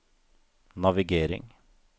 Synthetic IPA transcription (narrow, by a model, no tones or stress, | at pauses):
nɑʋɪɡeːɾɪ̰ŋ